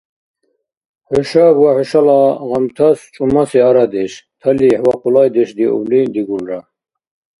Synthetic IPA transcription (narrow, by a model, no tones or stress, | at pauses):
ħɔʃabwaħɔʃalaɣamt̪ʰast͡ʃʼumasɛaɾad̪ɛʃt̪ʰaliħwaqʰulajd̪ɛʃd̪iṵblid̪iɡulɾa